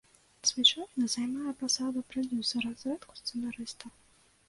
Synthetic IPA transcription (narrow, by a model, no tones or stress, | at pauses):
sʲvʲɛt͡ʂɔɾʲnɐzajmajɛpasad̪upɾɔd̪ʲusɐɾɐsɾɛt̪ku̥st̪sɛnaɾɨst̪ɐ